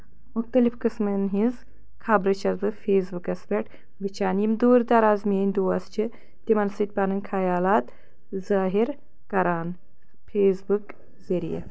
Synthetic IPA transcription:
muxt̪ɐlifkɨsmɨnɦinz | kʰabɾɐt͡ʃʰɐzbɨfeːsbukɐsbʲeʈ | ʋɨt͡ʃʰaːnimd̪uːɾd̪ɐɾaːzmeːnʲd̪oːɐst͡ʃʰɨ | t̪imɐnsɨt̪̚ʲpɐnɨnkʰajaːlaːt̪ | zaːɦiɾ | kɐɾaːn | fʰeːsbuk | zɐɾḭjɐ̰

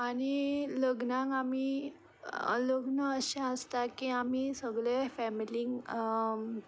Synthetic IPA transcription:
aɽ̃iləɡnãŋkami | ə̰ləɡnəəɕãəst̪akiamisəɡɭefɛmiliŋɡ

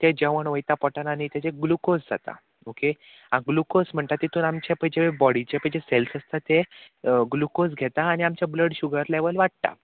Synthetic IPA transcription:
t̪ed͡ʑeʋəɳʋəjt̪apɔʈananit̪jat͡ɕeɡlukosd͡zʱa̰t̪a̰ | oke | ãɡlukosm̤əɳt̪at̪ːit̪ʰuːnamt͡ɕepəjd͡ʑebɔɽit͡ɕepəjd͡ʑeselsəst̪at̪e | ɡlukosɡʱet̪aːñiamt͡ɕjabləɽɕuɡəɾleʋəlʋaɽ̚t̪a̰

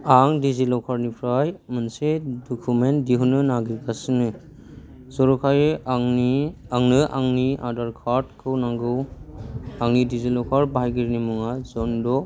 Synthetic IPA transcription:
aŋdizilɔkʰaɾnipʰɾajmɯnsedɔkʰumentdiɦunɯnaɡikasɯnɯ | zɔɾukʰajŋi | aŋnɯʔa̰ŋniʔa̰daɾkʰaɾt̚kʰɯwnaŋɡɯw | aŋnidizilɔkʰaɾbaɦajɡiɾnimuŋazɔndɔ

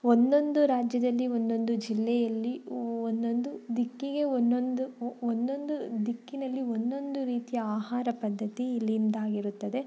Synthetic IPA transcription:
ond̪o̞nd̪uɾaːd͡ʒjɐd̪ɐlːiond̪o̞nd̪ud͡ʒilːɛjɐlːiond̪o̞nd̪ud̪ikːiɡe̞onːond̪uond̪o̞nd̪ud̪ikːinɐlːiond̪o̞nd̪uɾiːt̪ijɐaːɦaːɾɐpɐd̪ʱːɐt̪iːlːind̪aːɡiɾut̪ːɐd̪e̞

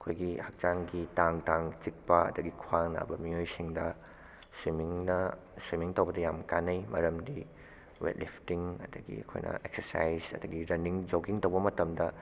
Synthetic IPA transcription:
ɐkʰojɡihɐk̚t͡ʃaŋɡitaŋtaŋt͡ʃik̚pɐɐ̰dɐɡikʰwaŋna̰bɐmiojsiŋdɐ | swimiŋnɐ | swimiŋtɐwbɐdɐjamkanːɐjmɐ̰ɾɐmdi | wḛt̚lipʰtiŋɐ̰dɐɡḭɐkʰo̰jnʔɐ̰ʔek̚sɐɾsa̰jzɐ̰dɐɡiɾɐniŋd͡ʒokiŋtɐwbɐmɐtɐmdɐ

